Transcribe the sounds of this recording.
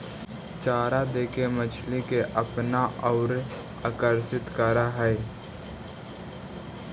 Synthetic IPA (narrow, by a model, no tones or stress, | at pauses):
t͡ʃaːɾad̪eːkemət͡ʃʰlikeʔəpnaɔːɾ | aːkəɾsɪt̪kəɾaɦɛ